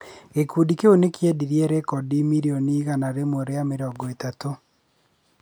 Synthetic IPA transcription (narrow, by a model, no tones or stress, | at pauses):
ɣekuːdikeonekjɛdiɾjɛɾekɔdimiɾiɔniːɣanaɾemoɾeameɾɔːɡɔetato